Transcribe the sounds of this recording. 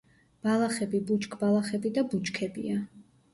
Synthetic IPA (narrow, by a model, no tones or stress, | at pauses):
b̥alˠaχɛbibut͡ʃʼkʰʼbalˠaχɛbid̪abut͡ʃkʰɛbḭa